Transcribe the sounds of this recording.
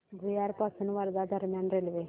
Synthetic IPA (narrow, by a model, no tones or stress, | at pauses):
bʱujaɾpasunʋaɾd̪ad̪ʱɐɾmjanɾelʋe